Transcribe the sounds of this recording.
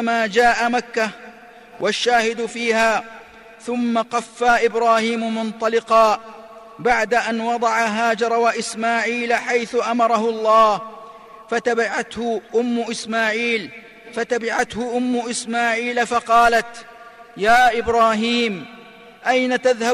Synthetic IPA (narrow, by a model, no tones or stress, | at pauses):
maːd͡ʒaːʔamakːa | wʔaʃːaːhɪd̪ʊfiːhaː | θʊmːaqɑfːaʔɪbɾaːhiːmʊmʊnt̪ˤɑlɪqɑː | baʕd̪aʔanwɑd̪ˤɑʕaɦaːd͡ʒɑɾˤɑwaʔɪsmaːʕiːlaħajθʊʔamɑɾˤɑɦʊlˤːɑː | fat̪abɪʕat̪hʊʔʊmːʊʔɪsmaːʕiːl | fat̪abɪʕat̪hʊʔʊmːʊʔɪsmaːʕiːlafɑqɑːlat̪ | jaːʔɪbɾɑːɦiːm | ʔajnat̪aðha